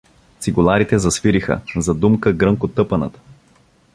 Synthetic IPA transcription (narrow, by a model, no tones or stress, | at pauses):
t̪siɡʊlˠaɾit̪ɛzɐsviɾixə̰zɐd̪umkəɡɾɤŋkot̪ɤpɐnə̰t̪ə̥